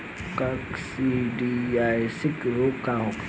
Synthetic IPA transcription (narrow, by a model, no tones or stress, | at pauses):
kaksiɖiajsɪkɾokaɦok